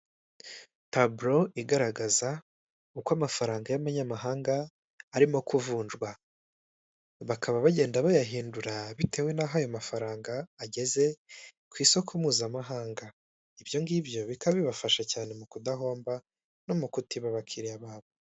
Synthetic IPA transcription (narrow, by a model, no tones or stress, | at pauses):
tabɾo̞iɡaɾaɡaza | ukwamafaɾaːŋɡajamaɲamaɦaːŋɡaː | ɾimo̞kuvuːnʒɡwa | βakʰaβaβaɟe̞ːndaβajaɦiːnduɾaβitʰe̞ːwe̞naːɦajo̞mafaɾaːŋɡaːɟe̞ze̞ | kwiːso̞kʰumuːzamaɦaːŋɡa | ibjo̞ŋɡibjo̞βikaββiβafaʃacaːne̞mukudaɦo̞ːmba | no̞mukutiβaβakʰiɾijaβaːβo